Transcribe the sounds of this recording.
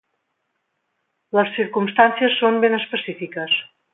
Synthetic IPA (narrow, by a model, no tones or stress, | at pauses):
ləsːiɾkumst̪ansiəsːombenəspəsifikəs